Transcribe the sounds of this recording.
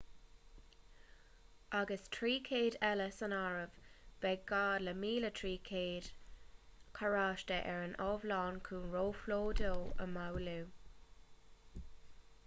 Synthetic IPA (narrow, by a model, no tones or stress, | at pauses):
ʔaɡəstʰɹiːkʰeːdɛləsənaɹəvb̥ɛɡɡaːdləmiːlətʰɹiːkʰeːd̥ | kʰəɹaːʃtəʔɛɹənʔɔːvlɑːnkʰuːnɹoːfloːdɪlə̰mawluː